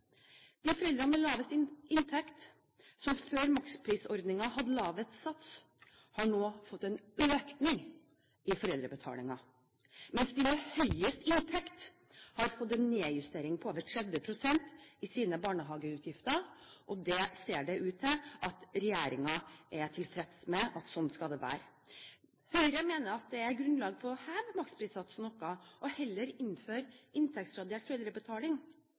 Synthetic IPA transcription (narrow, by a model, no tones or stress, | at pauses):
d̪̥ɪfɔɾɛld̪ɾɑnəlɑːʋəst̪ɪnt̪ʰɛkt̪ | sɔmføːɾmɑkspʰɾiːsɔɾd̪nɪŋɑhɑd̪əlɑːʋət̪sɑt̪s | hɑɳoːfɔt̪ːɛnøːknɪŋ | ɪfɔɾɛld̪ɾəbət̪ʰɑ̰ːlɪŋɑ | mɛnsd̪ɪmɛhœʏəst̪ɪnt̪ʰɛkt̪ | hɑɾfɔt̪ːɛnːeːjʉst̪eːɾɪŋpʰɔoːʋəʈ̪ʰɾɛd̪ʋəpʰɾʊsɛnt̪ɪsiːnəbɑːɳəɦɑːɡəʉːt̪ʰjɪft̪əʔɔd̪ɛseːɖɛʔʉːt̪ʰɛʔɑt̪ɾɛjeːɾɪ̰ŋɑʔɛʈʰɪlfɾɛt̪smɛʔɑt̪sɔnːskɑd̪ɛʋæ̰ːɾ | hœʏɾəmeːnəɾɑt̪̚d̪ɛæɾɡɾʉnlɑːɡfɔɾhæːʋmɑktspʰɾiːsɑt̪sɔnɔkːɑʔɔhɛlːəɾɪnːføːɾʔɪnt̪ʰɛk̚t̪sɾɑd̪eːʈfœʏd̪ɾəbət̪ʰɑːlɪŋ